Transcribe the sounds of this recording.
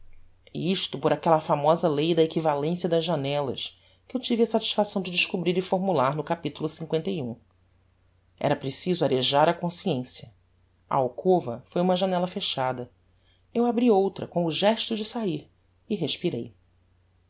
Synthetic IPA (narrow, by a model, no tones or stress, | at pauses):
ḭiʃt̪ʊpoɾakɛlɐfamɔzɐlejd̪ɐekivalẽsjɐd̪ɐzʒanɛlɐ̰ʃ | kɪewt͡ʃivɪɐsat͡ʃi̥ʃfasɐ̃w̃d͡ʒɪd͡ʒɪʃkubɾiɾɪfoɾmulaɾnʊkapit̪ulʊsĩŋkwẽnt̪eiũ | ɛ̰ɾɐpɾesizʊaɾeʒaɾɐkõsiẽsjɐ | ɐ̰awkʰovɐfojũmɐʒanɛlɐfeʃad̪ɐ | ewabɾiowt̪ɾɐkõw̃ʊʒɛʃt̪ʊd͡ʒɪsaiɾ | ɪɦeʃpiɾḛj